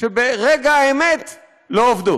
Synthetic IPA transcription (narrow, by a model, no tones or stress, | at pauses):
ʃebeʁeɡaaemet̪ | loovd̪u